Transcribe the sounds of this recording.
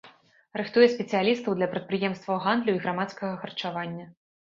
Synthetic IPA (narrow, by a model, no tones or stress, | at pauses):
rɨxt̪ujɛsʲpʲɛt̪sɨjalʲist̪ɐwd̪lʲɐpɾɐt̪̚pɾɨjɛmst̪vɐwɣand̪lʲuiɣɾamat̪skɐɣɐxɐrt͡ʂavanʲːɐ